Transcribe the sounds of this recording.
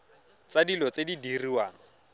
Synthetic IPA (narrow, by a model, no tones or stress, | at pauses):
t͡sadilɔt͡sedidiriwaːŋɔ